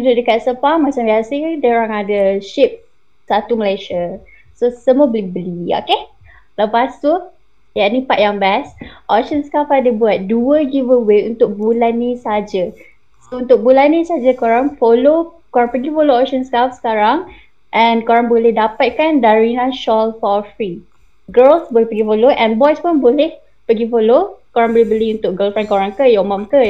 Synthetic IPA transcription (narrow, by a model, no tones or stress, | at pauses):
duduʔ̚dəkat̪̚səpahmat͡ʃambiasədɛoɾaŋadəʃip̚ | sat̪uməleʃa | sosəmuəbəlibəlio̰ke | ləpast̪u | janĩpat̪̚jaŋbɛsʔokʃənskafadəbuat̪̚duəɡivəweṵnt̪ʊk̚bulanːĩsad͡ʒə | sount̪ʊk̚bulanːĩsad͡ʒəkoɾaŋfolo | koɾaŋpəɡifoloɔk̚ʃənsə̥kafsə̥kaɾaŋ | ʔɛ̃nkoɾaŋbolɛhdapat̪̚kandaɹinãʃɔlfɔfɹi | ɡəlsbolɛhpəɡifoloʔɛ̃nbɔjspʊnbolɛh | pəɡifolokoɾãŋbolɛhbəliunt̪ʊk̚ɡəlfankoɾaŋkəjɔmãmkə